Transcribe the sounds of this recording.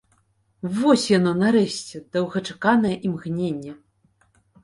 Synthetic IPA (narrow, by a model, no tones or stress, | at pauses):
vɔsʲjan̪ɔnaɾɛɕʲt͡sʲɛd̪̥ɐwɣɐt͡ʂakanɐjɐʔimɣnʲenʲːɛ